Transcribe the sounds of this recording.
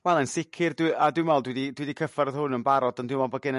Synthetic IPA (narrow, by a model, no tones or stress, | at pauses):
wɛlˠənsɪkʰɨrdwɪʔadwɪmɛlˠdwɪdidwɪdikʰəfɛrð̥hʊnənbaɾɔdəndɪmɔlˠbɔɡɪnə